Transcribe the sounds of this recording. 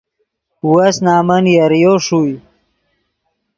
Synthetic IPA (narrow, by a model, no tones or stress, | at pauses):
wəsnaːmənjaɾjoʂuj